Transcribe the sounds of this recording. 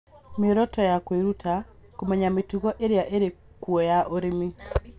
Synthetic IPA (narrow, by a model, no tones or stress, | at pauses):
mɪɾɔtɔjakweɾutʰakomɛɲametuɣɔʔeɾejaʔeɾe | kuɔjaʔoɾemi